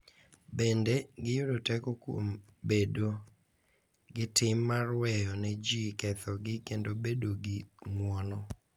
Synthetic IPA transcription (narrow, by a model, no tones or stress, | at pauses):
bendeɡɪjʊdotɛkɔkwo̰m | bedo | ɡɪtɪmːarwɛjɔnɛd͡ʒikɛt̪ɔɡɪkendobedoɡɪŋwɔnɔ